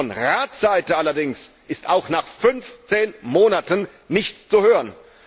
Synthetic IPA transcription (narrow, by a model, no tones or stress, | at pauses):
ɔnʁaːtz̥aɪtəalɐdɪŋsʔɪstaʊxnaːχfʏnft͡seːnmoːnatən | nɪçtt͡suhøːʁən